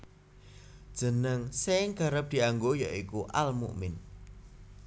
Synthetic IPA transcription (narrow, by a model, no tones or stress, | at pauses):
d̥ʒ̥ə̤nəŋseɪŋɡ̥a̤ɾəp̚d̪̥i̤aŋɡoja̰ikuʔalmṵʔmɪn